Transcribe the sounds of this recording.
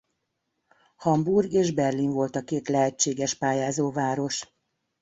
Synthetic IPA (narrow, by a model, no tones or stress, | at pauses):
hɒmburɡeːʒbɛrliɱvo̞lt̪ɒkeːt̪lɛɦɛt͡ʃːeːɡɛʃpaːjaːzoːvaːɾo̞ʃ